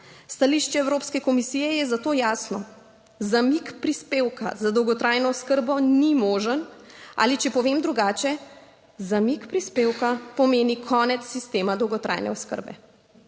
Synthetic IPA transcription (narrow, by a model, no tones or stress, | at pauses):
st̪aliʃt͡ʃɛɛwɾopskɛkɔmisijɛjɛzat̪oːjaːsnɔ | zamikpɾispeːwka̰zad̪ɔwɡɔt̪ɾaːjnɔskəɾbɔnimoːʒəna̰ːlit͡ʃɛpɔʋeːmd̪ɾuɡaːt͡ʃɛ | zamikpɾispeːwkapɔmeːnikʰɔːnɛt̪sːist̪eːmad̪ɔwɡɔt̪ɾa̰jnɛ̰ɔskə̰ɾbɛ̰